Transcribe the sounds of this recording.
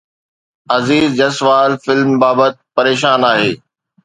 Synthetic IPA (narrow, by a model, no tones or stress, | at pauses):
ɐziːzd͡ʑɐsʋaːlfɪlmbaːbət̪̚pɐɾeːʃaːnaːɦeː